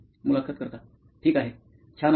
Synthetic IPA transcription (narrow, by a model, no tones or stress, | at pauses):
mulakʰːət̪̚kəɾt̪a | ʈʰiːkaɦe | t͡ɕʰan